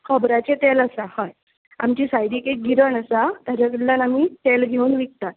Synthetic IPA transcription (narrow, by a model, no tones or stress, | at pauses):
kʰəbɾat͡ɕet̪eləsahəj | a̰mt͡ɕiːsajɽikeɡiɾəɳəsat̪aɾəklanamit̪elɡʱeuːnʋik̚t̪at̪̚